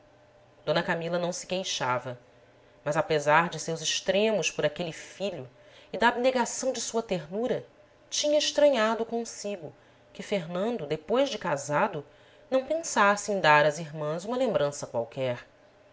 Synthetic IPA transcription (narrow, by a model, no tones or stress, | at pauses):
d̪õnɐkamilɐnɐ̃w̃sɪ̥kejʃavɐ | mɐzapezaɾd͡ʒɪsewzɪʃt̪ɾẽmʊspʊɾakelɪfiʎʊ | ɪd̪ɐːbneɡasɐ̃w̃d͡ʒɪsuɐt̪eɾnuɾɐ | t͡ʃĩɲɐɪʃt̪ɾɐ̃ɲad̪ʊkõsiɡʊ | kɪfeɾnɐ̃nd̪ʊd̪epojzd͡ʒɪkazad̪ʊ | nɐ̃w̃pẽsasɪẽj̃d̪aɾɐziɾmɐ̃zũmɐlẽmbɾɐ̃sɐkwawkɛɾ